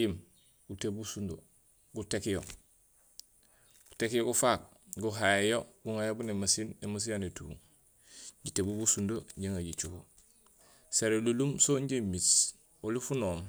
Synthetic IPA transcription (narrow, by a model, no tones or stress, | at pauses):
im | ɡutebusundo | ɡutekijo | ɡ̥utekijoɡufak̚ | ɡuɦajejoɡuŋajobunemasinemas̬ijanetṵːŋ | ɟitebubusundoɲɟiŋaɟit͡ʃuko | seɾelulumsoɲɟimis | olifunoːm